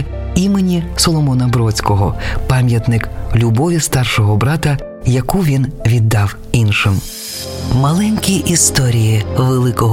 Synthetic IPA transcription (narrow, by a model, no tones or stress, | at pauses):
imenʲisɔlˠɔmɔnɐbɾɔt͡sʲkɔɦɔpɑmʲjɐt̪nɪklʲʊbɔʋʲist̪ɑrʃɔɦɔbɾɑt̪ɐ | jɐkuʋʲinʋʲid̪ːɑw | inʃɪm | mɐlˠɛnʲkʲiʔist̪ɔɾʲijiʋelˠɪkɔɦ